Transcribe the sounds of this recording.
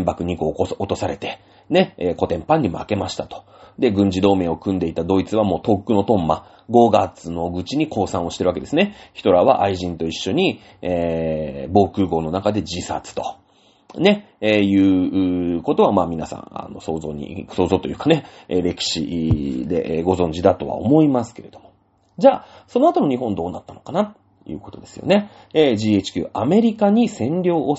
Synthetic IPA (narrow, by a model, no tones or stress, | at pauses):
mbakɯ̟ɲ̟ikoːot̪o̞saɾe̞t̪e̞̥ | ne̞eko̞t̪ẽ̞mpãɲ̟ːimo̰ake̞maɕi̥t̪at̪o̥ | d̪e̞ɡɯ̟̃ɲ̟d͡ʑid̪o̞ːme̞o̞kɯ̟̃nd̪e̞it̪ad̪o̞ːit͡sɨβamo̞ːt̪o̞kkːɯ̟no̞t̪õ̞mːa | ɡo̞ɡat͡sɨno̞ɡɯ̟t͡ɕiɲ̟iko̞ːsãɰ̃oɕi̥e̞ɾɯaked̪e̞sɨne̞çi̥t̪o̞ɾaβaʔaiʑĩnt̪o̞iɕːo̞ɲ̟i | e | bo̞ːkɯ̟ːɡo̞ːno̞nakad̪e̞d͡ʑisa̰t͡sɨ̥t̪o̞̥ | ne̞ | ejɯ̟ːɯːko̞t̪o̞β̞amaːmʲinasã̰ŋa̰no̞so̞ːzo̰ːɲ̟ḭso̞ːzo̞ːt̪ojɯ̟ːkane̞eɾe̞kʲi̥ɕḭd̪e̞̰ʔɡo̞zõ̞ɲ̟d͡ʑid̪at̪o̞βa̰o̞mo̞imasɨ̥keɾe̞d̪omo̞ | d͡ʑaːso̞no̞at̪o̞no̞ɲ̟iɦõ̞nd̪o̞ːnat̪ːano̞kanat̪ | jɯ̟̰ːko̞̥t̪o̞d̪e̞sɨ̥jo̰ne̞ | eːd͡ʑiːet͡ɕi̥kʲɨ̰ːʔame̞ɾʲikaɲ̟isẽ̞nɾʲo̞ːʔː